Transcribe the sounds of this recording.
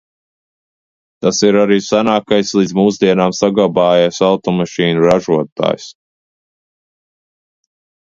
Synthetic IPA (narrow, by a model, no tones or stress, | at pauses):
t̪asiɾaɾiːsanaːkajslˠid̪zmuːzd̪iɛnaːmsaɡlˠabaːjasawt̪ɔmaʃiːnuɾaʒuɔt̪a̰ːjs